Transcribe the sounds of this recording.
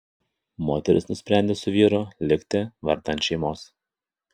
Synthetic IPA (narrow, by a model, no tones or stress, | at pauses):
moːt̪ʲɛɾʲʔɪ̰snʊsʲpʲɾʲænʲd̪ʲeːsʊʋʲiːɾolʲɪkʲt̪ʲɪʋɐ̰ɾd̪ɐnt̪ʃʲɛɪmoːs